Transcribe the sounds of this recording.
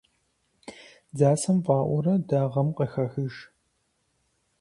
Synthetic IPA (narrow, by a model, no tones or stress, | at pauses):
zaːsɐmpʼɑːʔʷɔɾɐdaːʁɐmqɐxɐxɨʒ